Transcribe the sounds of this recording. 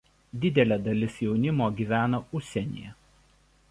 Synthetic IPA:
d̪ʲɪd̪ʲɛlʲɛːd̪ɐlʲɪsjɛʊnʲɪmoːɡʲiːʋʲæːnɐʊʃʲsʲɛnʲḭjɛ

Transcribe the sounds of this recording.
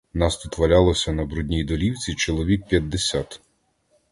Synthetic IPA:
nɑst̪ut̪ʋɐlʲalˠɔsʲɐnɐbɾudʲnʲijd̪ɔlʲiwt͡sʲit͡ʃɔlˠɔʋʲik̚pʲjɐd̪ːesʲat̪

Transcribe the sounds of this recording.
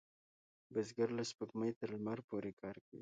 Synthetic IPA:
bɪzɡaɾlaspəkməjt̪əɾlmaɾpoɾekʰɑɾkawḭ

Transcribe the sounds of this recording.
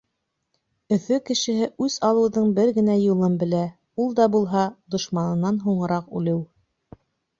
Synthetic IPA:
ɵ̆θɵkɘ̆ʃɘ̆hɘʔʉzɑlˠɤ̆wðɤɴbɘɾɡɘ̆næjulˠɤmbɘ̆læ | ulˠd̪ɑbulˠɦɑd̪ŏʃmɑnɤ̆nːɑnɦuɴɤ̆ɾɑqʉlɘw

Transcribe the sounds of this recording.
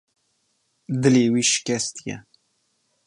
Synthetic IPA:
d̪ɨleːwiːʃɪ̥kʲɛst̪ijɛ̰

